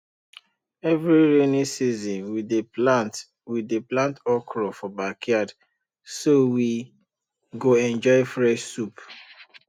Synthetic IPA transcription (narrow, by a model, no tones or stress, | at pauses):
ɛvɾiɾenisizɔ̃nwideat | wideplãntɔkɾɔfɔbakʰjad | sowi | ɡoɛ̃nd͡ʒɔɪfɾɛʃsup